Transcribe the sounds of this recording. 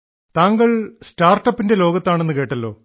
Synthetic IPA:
t̪aːŋɡɐɭstaːrʈːɐpːinde̞lo̞ːɡɐt̪ːaːɳe̞nːɨke̞ːʈːɐlːo̞ː

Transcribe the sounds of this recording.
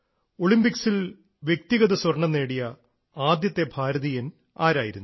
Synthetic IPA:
oɭimbiksil | ʋjek̚t̪iɣɐðɐswɐrɳɐnːe̞ːɽijɐ | aːd̪jɐt̪ːe̞bʱaːɾɐðijɐn | aːɾaːjiɾunː

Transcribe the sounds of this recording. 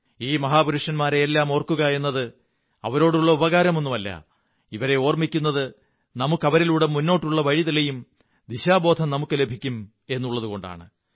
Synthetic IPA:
iːmɐɦaːbuɾuʂɐnmaːɾeːlːaːmo̞ːrkːuɣɐe̞nːɐðɨ | ɐ̰ʋɐɾo̞ːɽuɭːɐubɐɣaːɾɐmo̞nːumɐlːɐ̰ | iʋɐɾe̞o̞ːrmikʲːunːɐðɨ | nɐmukːɐʋɐɾiluːɽemunːoːʈːuɭːɐʋɐɻiðilejum | d̪iɕaːbo̞ːd̪ʱɐmnɐmukːɨle̞bʱikʲːum | e̞nːuɭːɐðuɣo̞ɳɖa̰ːɳɨ

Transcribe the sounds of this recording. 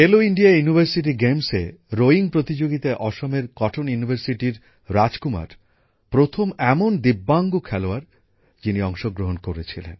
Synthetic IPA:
eloiɳɖijajunibʱaɾsiʈ̬iɡemseɾoiŋpɾot̪id͡ʑoɡit̪aʔɔʃomeɾkɔʈʰonjunibʱaɾsiʈiɾ | ɾad͡ʑkuma̰ɾ | pɾot̪ʰomɛmond̪ibːaŋɡokʰɛloaɾ | d͡ʑiniɔŋʃoɡɾoɦonkoɾet͡ɕʰilḛn

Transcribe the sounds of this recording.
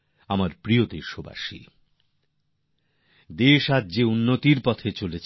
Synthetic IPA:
amaɾpɾiod̪eʃoba̰ʃḭ | d̪eʃad͡ʑeunːot̪iɾpɔt̪ʰet͡ɕolet͡ɕʰ

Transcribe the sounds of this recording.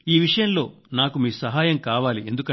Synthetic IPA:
iːʋiʂɐjɐmlo̞ː | naːkumiːsɐɦaːjɐmkaːʋaːlie̞nd̪ukɐ

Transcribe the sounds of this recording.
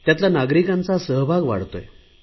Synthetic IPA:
t̪jat̪lanaɡɾikãnt͡sasəɦbʱaɡʋa̰ɽt̪o̰je

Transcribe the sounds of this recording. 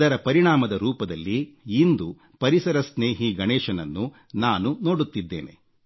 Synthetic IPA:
ɐɾɐpɐɾiɳaːmɐd̪ɐɾuːpɐd̪ɐlːiːnd̪u | pɐɾisɐɾɐsneːɦiɡɐɳɛːʃɐnɐnːu | naːnuno̞ːɽut̪ːid̪ːe̞̰ːne̞̰

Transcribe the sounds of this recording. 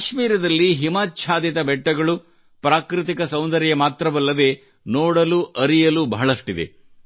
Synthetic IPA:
kaʃmiːɾɐd̪ɐlːiɦimaːtːʃʰaːd̪jɐt̪ɐbɛʈːɐɡɐɭu | pɾaːkɾit̪̬ikɐsɐwnd̪ɐɾjɐmaːt̪ɾɐʋɐlːɐd̪e̞ː | noːɽɐluʔɐɾijɐlubɐɦɐɭɐʂʈid̪e̞̰

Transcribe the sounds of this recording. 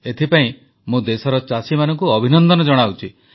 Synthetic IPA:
et̪ʰipaĩ | mũd̪esɔɾɔt͡ʃasimanɔŋkuɔbʱinɔnd̪ɔnɔd͡ʒɔɽ̃awt͡ʃʰi

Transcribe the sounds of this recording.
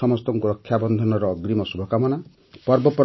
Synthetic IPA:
ɔmɔst̪ɔŋɡuɾɔkʰːjabɔnd̪ʱɔnɔɾɔːɡɾimɔsubʱɔkamɔna | pɔɾbɔpɔɾ

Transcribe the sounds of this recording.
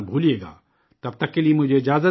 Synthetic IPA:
bʱuːlieːɡa̰ː | t̪ɐb̚t̪ɐkːeliemʊd͡ʒʱeɪd͡ʒaːzə

